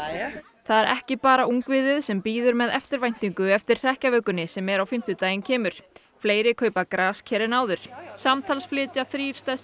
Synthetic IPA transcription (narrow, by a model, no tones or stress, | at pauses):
θaðɛɾʔɛ̰hcɪpaːɾaʔuŋkvɪðɪðsɛmpiːðʏɾmɛðɛ̰ft̪ɪɾvajn̥t̪iŋkʏɛft̪ɪɾ̥r̥ɛhcavœːkʏnɪsɛmɛɾawfɪm̥t̪ʏt̪aːjɪncʰɛːmʏɾ̥ | fleːjɾɪkʰœːɥpakɾaːscʰɛɾɪnaːwðʏɾ̥samt̪ʰalsflɪːt̪jaθɾiːɾ̥st̪ɛs